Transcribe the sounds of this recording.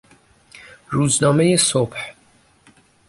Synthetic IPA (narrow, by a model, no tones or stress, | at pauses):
ɾuːznɒːme̞jesob̥h